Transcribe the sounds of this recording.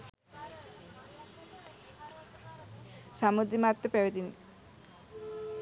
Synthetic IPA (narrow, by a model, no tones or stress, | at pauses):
samud̪ɾimat̪ːepɛwet̪ini